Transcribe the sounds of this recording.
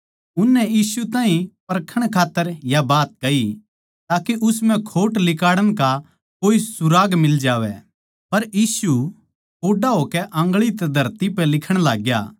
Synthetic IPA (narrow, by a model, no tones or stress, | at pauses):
ʊnːɛjiːsut̪ãːɦĩpɐɾkʰəɽ̃kʰaːt̪ːəɾjabaːt̪̚kɐi | t̪aːkeʔʊsm̤ɛ̃kʰoːʈlɪkaːɽəɽ̃ka | koːisʊɾaːɡmɪld͡ʒaːʋɛ̰ | pɐɾjiːsu | oːɖaɦoːkɛʔɐ̃ŋɡɭit̪ɛd̪ʱɐɾt̪ipɛlɪkʰəɽ̃laːɡja̰ː